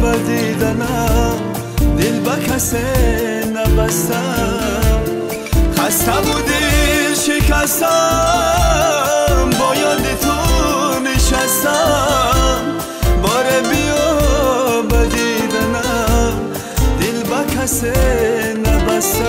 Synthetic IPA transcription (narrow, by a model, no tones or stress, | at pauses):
bad̪id̪anam | d̪ilbakʰase | nabast̪a | m | χast̪abud̪iʃikʰast̪a | mbɔjɔd̪it̪ʰuniʃast̪a | m | bɔɾebijɔ | bad̪id̪anam | d̪ilbakʰasenabasa